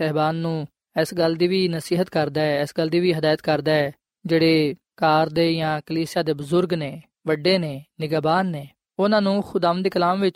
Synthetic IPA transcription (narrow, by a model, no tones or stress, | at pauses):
ɛːbaːnːũː | ɪsɡəld̪iːʋiːnəsiːɦət̪kəɾd̪aːɛɪsɡəld̪iːʋiːɦəd̪aːjət̪kəɾd̪aːɛː | d͡ʒeːɽeː | kaːɾd̪eːjãːkəliːsɪjaːd̪eːbʊzʊɾɡneː | ʋəɖːeːneːnɪɡaːbaːnːeː | ʊnãːnũːxʰʊd̪aːʋənd̪eːkəlaːmʋɪt͡ʃ